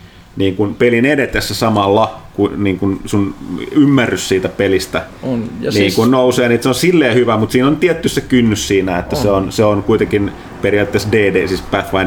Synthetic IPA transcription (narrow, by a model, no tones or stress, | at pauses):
niːŋkunpelinedet̪esːesɑmɑlːɑkuniːŋkunsunymːærːyssiːt̪æpelist̪æniːŋkunnouseːniet̪seonsilːeːhyʋæmut̪siːnont̪iɛt̪ːyssekynːyssiːnæet̪ːæseonseonkuit̪eŋkin | perijɑːˑt̪ːesdeːdeːsiːspæθʋɑin